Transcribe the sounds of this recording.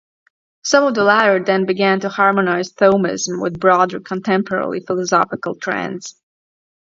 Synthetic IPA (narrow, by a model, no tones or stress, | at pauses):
sʌ̃mʌvðəlæɾə˞dɛ̃nbɨɡæ̃ntuhɑɹmənaɪz̥θoʊmɪ̰zm̩wɪ̰ðbɹɔdə˞kʰə̃ntʰɛ̃mpʰə˞ɛ̰ɹlˠḭfɪlˠəsɑfɪkəl̩ˠtʰɹ̥ɛ̰̃ndz̥